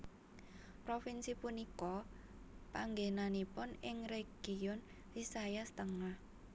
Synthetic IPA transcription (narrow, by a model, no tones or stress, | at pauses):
pɾofinsipunikɔ | paŋɡenanipʊnɪŋreɡ̥iʊn | lisajast̪əŋah